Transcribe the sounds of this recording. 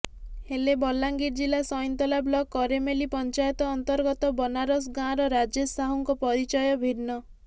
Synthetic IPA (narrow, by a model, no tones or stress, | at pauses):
helebɔlːaŋɡiɾd͡ʒilasɔjɔnt̪ɔlablɔkːɔɾemelipɔnt͡ʃajɔt̪ɔːnt̪ɔɾɡɔt̪ɔbɔnaɾɔs̬ɡãɾɔɾad͡ʒesaɦuŋkɔpɔɾit͡ʃɔjɔbʱiɾnɔ